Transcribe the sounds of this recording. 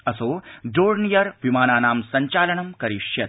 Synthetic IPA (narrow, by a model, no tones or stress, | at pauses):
ɐsoːɖoːɾnijɐɾʋimaːnaːnaːmsɐɲt͡ʃaːlɐɳɐmkɐɾiʃjɐt̪̚